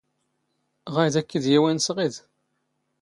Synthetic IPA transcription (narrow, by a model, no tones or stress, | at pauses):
ʁæjðækːəðjiwænsʁið